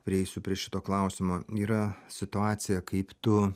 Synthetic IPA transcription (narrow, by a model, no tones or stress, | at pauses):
pʲɾʲɪɛɪsʲʊpʲɾʲiɛʃʲɪt̪oːklˠɐʊsʲɪmoːiːɾɐsʲɪt̪ʊɑːt̪sʲɪjɛkɐɪpt̪ʊ